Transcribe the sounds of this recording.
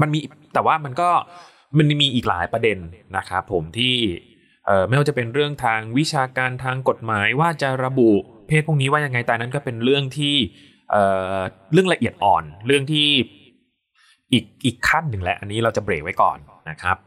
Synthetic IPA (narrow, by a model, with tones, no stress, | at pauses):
ma˧nmiː˧˨˩t̪ɛː˨˩waː˥˩ma˧nkɔː˥˩ | ma˧nmiː˧ʔiː˨˩k̚la̰ː˩˦jpɾa˧de˧nːa˦˥kʰɾa˦˥pʰːo˩˦mt̪ʰiː˥˩ | ʔɤː˨˩ma˥jwaː˦˥t͡ɕa˨˩pe˧nɾɯ˥˩əŋt̪ʰaː˧ŋwi˦˥t͡ɕʰaː˧kaː˧nt̪ʰaː˧ŋko˨˩t̪̚maː˩˦jwaː˥˩t͡ɕa˨˩ɾa˧bu˨˩pʰeː˥˩˥kniː˦˥waː˥˩ja˧ŋːa˧jt̪ɛː˨˩na˦˥nkɔː˥˩pe˧nɾɯ˥˩əŋt̪ʰiː˥˩ | ʔɤː˨˩ | ɾɯ˥˩əla˧ʔi˨˩ət̪̚ʔɔː˨˩nɾɯ˥˩əŋt̪ʰiː˥˩ | ʔiː˨˩k̚ʔiː˨˩kʰːa˥˩nːɯ˨˩ŋlɛ˦˥ʔa˧nːiː˦˥ɾa˧wt͡ɕa˨˩bɾeː˨˩k̚wa˦˥jkɔ̰ː˨˩nːa˦˥kʰɾa˦˥p̚